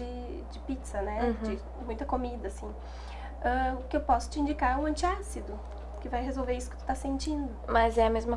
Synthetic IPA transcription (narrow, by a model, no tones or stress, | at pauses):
ɪ | d͡ʒɪpit̪sɐnɛd͡ʒɪ | mũj̃t̪ɐkomid̪ɐːsĩ | ɛʊkɪewpɔsʊ̥t͡ʃɪĩnd͡ʒikaɾɛʊɐ̃nt͡ʃɪasid̪ʊ | kɪvajɦezowveɾisʊ̥kɪt̪u̥t̪asẽnt͡ʃĩnd̪ʊmɐzɛɐmezmɐ